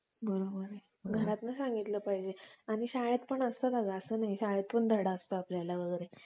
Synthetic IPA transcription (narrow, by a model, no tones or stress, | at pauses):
bəɾobəɾ | ɡʱəɾat̪nasãŋɡit̪ləːpaɦid͡ʑeaɽ̃iɕajəd̪pəɳəst̪əd̪aɡaːsəːnaɦiɕaɦəd̪pəɳd̪ʱəɽaəst̪əapljalaʋəɡəɾe